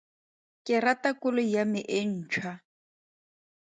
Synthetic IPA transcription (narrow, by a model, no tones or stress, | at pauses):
kʼɪratʼakʊlɔjamɪʔɪn̩ːt͡ʃʰwa